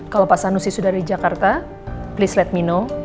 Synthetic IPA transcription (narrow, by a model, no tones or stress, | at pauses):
kalopasanusisudardid͡ʒakart̪a | plislɛt̪̚mino